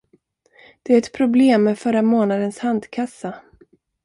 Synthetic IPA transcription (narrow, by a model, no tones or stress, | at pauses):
d̪̥ɛæɾɛt̪pʰɾʊbleːmːɛfœɾamoːnad̪ənshand̪kʰasːa